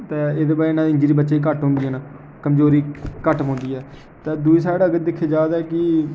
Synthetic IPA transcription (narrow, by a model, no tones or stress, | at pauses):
t̪eːeːd̪eːbaːɾiɪnãːd̪eːɪɲd͡ʒiɾiːbətːʃaːiːkəʈɦõːnd̪iːɛn | kəmzoːɾiːkəʈɦʊ̃ːnd̪iːɛː | t̪ẽːd̪uiːs̬aːɽaːəɡəɾd̪ɪkʰːeːd͡ʒaːd̪ɛːkɪ